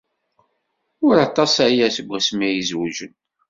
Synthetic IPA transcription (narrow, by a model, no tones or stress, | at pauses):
ʊɾɑt̪ˤɑsajæsəɡʷəsmijizwuʒən